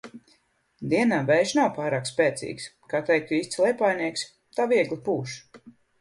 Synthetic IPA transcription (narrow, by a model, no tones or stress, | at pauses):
d̪iɛnaːvɛjʃnawpaːɾaːkspɛːt̪sḭːkskaːt̪ɛjk̚t̪uiːst̪slˠɛjpaːjniɛks | t̪aːviɛɡlipuːʃ